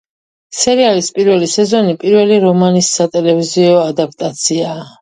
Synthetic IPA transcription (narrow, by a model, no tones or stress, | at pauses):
sɛɾialispʼiɾvɛlisɛzɔnipʼiɾvɛliɾɔmanisːat̪ʼɛlɛviziɔad̪ap̚ʰt̪ʼat̪sʰiaː